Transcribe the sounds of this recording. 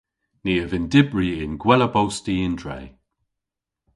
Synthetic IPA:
niːəvɪndɪbɹiɪnɡwɛləbowstiɪndɹɛ̰j

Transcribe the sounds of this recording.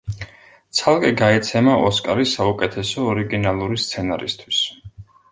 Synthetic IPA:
t̪sʰalˠkʼɛɡaɛt̪sʰɛmaʔɔskʼaɾisːaukʼɛt̪ʰɛsɔːɾiɡinalˠuɾist̪sʰɛna̰ɾḭst̪ʰwis

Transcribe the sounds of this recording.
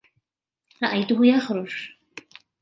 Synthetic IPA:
ɾˤɑʔajt̪ʊɦʊjaxɾʊd͡ʒ

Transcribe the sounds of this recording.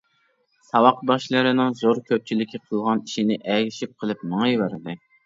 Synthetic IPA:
sɑwɑq̚bɑʃlˠɨɾɨnɨŋzoɾkʲʰøp̚t͡ʃʰilɪkʲiqʰəlˠʁɑniʃinɪʔɛɡʲɪʃip̚qʰəlˠɨp̚nɨŋɨjvæɾɪd̪ɨ

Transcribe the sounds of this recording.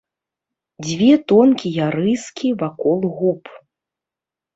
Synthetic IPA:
d͡zʲvʲɛt̪ɔnkʲijaɾɨskʲivakɔlˠɣup

